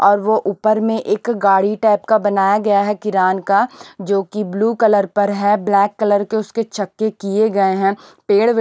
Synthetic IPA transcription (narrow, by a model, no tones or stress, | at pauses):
ɔːɾʋoʔuːpəɾmẽʔeːkɡaːɽiʈɛːpkabɐnaːjaɡɐjaɦɛkɪɾaːnkad͡ʒoːkibluːkɐləɾpɐɾɦɛblɛːkːɐləɾkeʊsket͡ʃʰɐkːekieɡɐeɦɛ̃ːpeːɽʋ